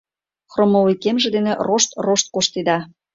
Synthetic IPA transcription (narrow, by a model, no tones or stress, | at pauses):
xromolikemʒĕd̪eneroʃt̪roʃt̪̚koʃt̪ed̪ɑ